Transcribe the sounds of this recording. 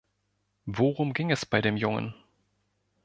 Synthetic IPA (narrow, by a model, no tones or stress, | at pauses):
voʁʊmɡɪŋɛsb̥aɪɾeːmjʊŋə̰n